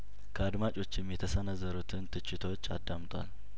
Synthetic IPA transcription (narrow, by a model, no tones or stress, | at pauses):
kʰəad̪mat͡ʃʼo̞t͡ʃːɪmːjɛt̪ʰəsənəzːəɾut̪ʰɨnt̪ʰɨt͡ʃːɪt̪ʰəwot͡ʃːa̰d̪ːamt̪ʼwa̰l